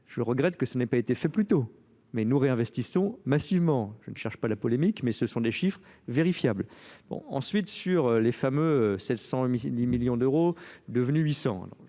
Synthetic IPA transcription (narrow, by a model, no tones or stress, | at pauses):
ʒ̥əʁəɡʁɛt̪kəsənɛpaet̪efɛplyt̪o | mɛnuʁeɛ̃vɛst̪isɔ̃masivmɑ̃ʒ̥ənəʃɛʁʃpalapɔlemikmɛsəsɔ̃d̪eʃifχveʁifjablb̥ɔ̰̃ɑ̰̃sɥit̪syʁølefamøøsɛt̪sɑ̃id̪imiljɔ̃d̪øʁod̪əvnyɥisɑ̰̃d̰